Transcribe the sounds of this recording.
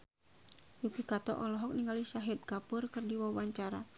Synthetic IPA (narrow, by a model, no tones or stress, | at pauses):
jukikat̪ɔ̰ʔɔlɔɦɔk̚niŋaliʃaɦit̪̚kapʊrkɨrdiwawaɲt͡ʃaɾa